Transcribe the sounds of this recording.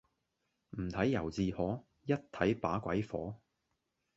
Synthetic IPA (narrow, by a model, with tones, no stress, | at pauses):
m̩˨˩t̪ʰɐ˨˥jːɐ˨˩wt͡siː˧hɔː˨˥ | jɐ˥t̚t̪ʰɐ˨˥jpaː˨˥kʷɐ˨˥jfɔ̰ː˨˥